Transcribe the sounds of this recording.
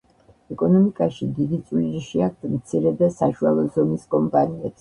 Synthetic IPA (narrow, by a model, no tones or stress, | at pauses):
ɛkʼɔnɔmikʼaʃid̪id̪it̪sʼliɾiʃiak̚ʰt̪ʰmt̪sʰiɾɛd̪asaʃualˠɔzɔmiskʼɔmpʼaniɛt̪sʰ